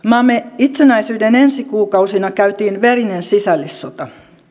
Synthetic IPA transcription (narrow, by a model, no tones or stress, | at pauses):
mɑmːeit̪senæisyːdenensikuːkɑusinɑkæyt̪iːnʋerinensisælːisːot̪ɑ